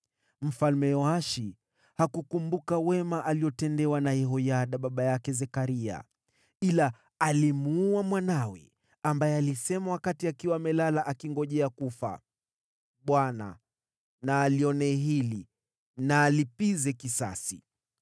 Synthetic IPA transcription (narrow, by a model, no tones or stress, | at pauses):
m̩falmɛjɔaʃi | hakukumbukawɛmaʔaliɔtɛndɛwanajɛɦɔjaɗaɓaɓajakɛzɛkaɾia̰ | ilaː | limuuamwanawɛ̰ | ambajɛalisɛmawakatiakiwaːmɛlalaʔakiŋɡɔʄɛakufa̰ | ɓwana̰ | naːliɔnɛɦili | naːlipizɛkisa̰sḭ